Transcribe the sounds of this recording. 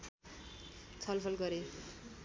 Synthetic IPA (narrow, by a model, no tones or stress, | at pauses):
t͡sʰʌlpʰʌlɡʌɾe